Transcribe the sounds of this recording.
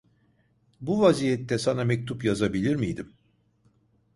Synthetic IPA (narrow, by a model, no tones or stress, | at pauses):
buvazijɛt̪ʰːɛsanamɛc̚t̪ʰupjazabilʲiɾmijd̪im